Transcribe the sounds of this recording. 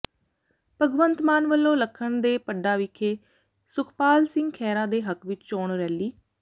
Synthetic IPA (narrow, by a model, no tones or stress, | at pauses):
pəɡʋənt̪maːnʋəlːõːləkʰːəɳd̪eːpəɖaːʋɪkʰːeː | sʊkʰpaːlsɪ̃ŋɡkʰɛːɾãːd̪eːɦəkʋɪt͡ʃt͡ʃoːɳɾɛːliː